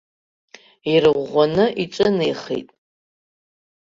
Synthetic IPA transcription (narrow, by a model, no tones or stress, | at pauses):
iɾɨʁʷːanɨʔiʈ͡ʂʷʼɨnejχḛjtʼ